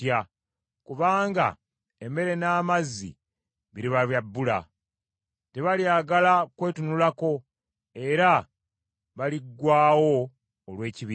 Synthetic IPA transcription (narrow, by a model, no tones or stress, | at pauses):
ja | kuβaːŋɡa̰ | eme̞ɾe̞naːmazːḭ | βiɾiβaβjabːula̰ | te̞βaljaːɡalakwe̞ːtunulako̞ | e̞ɾa | βaliɡːwaːwo̞ː | lwe̞ːciβiː